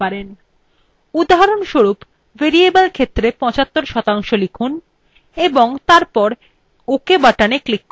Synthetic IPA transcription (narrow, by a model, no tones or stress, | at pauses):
aɾen | ud̪aɦaɾonʃoɾup | veɾiebəlkʰet̪ːɾepɔ̃t͡ɕat̪ːoɾʃɔt̪aŋʃolikʰun | eboŋt̪aɾpɔɾ | okebaʈaneklikː